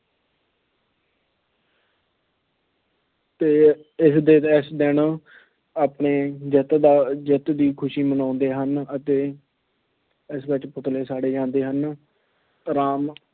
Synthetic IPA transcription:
t̪eːɪsd̪eːt̪ɛsd̪ɪn | aːpɳeːd͡ʒət̪d̪aːd͡ʒət̪d̪iːkʰʊʃiːmənãːnd̪eːɦənət̪eː | ɪsʋɪt͡ʃpʊt̪leːsaːɽeːd͡ʒãːnd̪eːɦən | ɾaːm

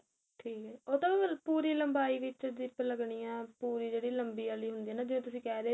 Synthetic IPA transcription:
ʈʰiːkɛoːt̪ãːpuːɾiːləmbaːiːʋɪt͡ʃd̪ɪpləɡɳiːãːpuːɾiːd͡ʒeːɽiːləmbiːaːliːɦʊnd̪iːɛːnãːd͡ʒɪʋẽːt̪̬ʊsĩːkɛːd̪eː

